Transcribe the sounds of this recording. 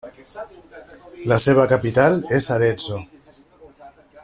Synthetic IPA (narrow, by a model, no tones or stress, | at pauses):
laseβ̞akapit̪aleszaɾenzo